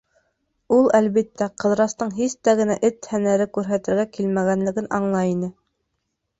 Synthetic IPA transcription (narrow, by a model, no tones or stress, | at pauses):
ulˠælβit̪ːæqɤ̆ðɾɑst̪ɤɴɦist̪æɡɘ̆næʔɘt̪hænæɾɘkʉɾɦæt̪ɘ̆ɾɡækilmæɣænlɘ̆ɡɘnɑɴlˠɑinɘ